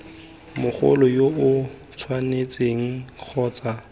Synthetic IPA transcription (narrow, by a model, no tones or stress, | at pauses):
mʊχʊ̰lɔjoʊ | t͡sʰwanet͡sʼeŋ̩k͡xʰɔːt͡sʼa